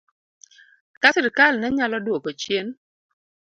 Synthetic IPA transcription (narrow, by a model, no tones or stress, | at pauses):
kasɪɾkalnɛɲalɔdwokot͡ʃjen